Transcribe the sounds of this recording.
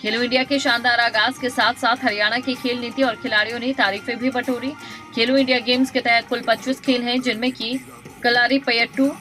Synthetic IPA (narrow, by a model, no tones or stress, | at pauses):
kʰeːluɪ̃ɳɖijakeʃãːnd̪aːɾaɡaːskesaːt̪ʰsaːt̪ʰɦɐɾijaːɽ̃akikʰeːlniːt̪iɔːɾkʰɪlaːɾijõnet̪aːɾiːfẽbʱibɐʈʰoːɾiːkʰeːluɪ̃ɳɖijaɡeːmsket̪ɛɦɛt̪̚kʊlpɐtːt͡ʃɪskʰeːlɦɛ̃d͡ʒɪnmẽki | kɐlaːɾipɐjəʈːuː